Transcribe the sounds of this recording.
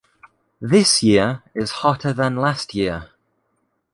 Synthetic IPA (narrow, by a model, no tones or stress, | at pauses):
ðɪsjɪəɹɪz̥hɒtʰəðə̃nlastʰjɪə